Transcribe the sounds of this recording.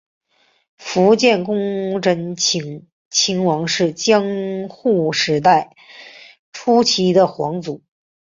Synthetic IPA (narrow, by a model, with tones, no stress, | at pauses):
fu˧˥t͡ɕjɛ˥˩nkʊ˥ŋʈ͡ʂʰə˧˥n˧˥ŋ | t͡ɕʰi˧˥ŋwɑ˧˥ŋʂɻ̩˥˩t͡ɕjɑ˥ŋxu˥˩ʂɻ̩˧˥t̪a˥˩ɪ | ʈ͡ʂʰu˥t͡ɕʰi˧˥d̪ə˧xwɑ˧˥ŋt͡su˨˩˦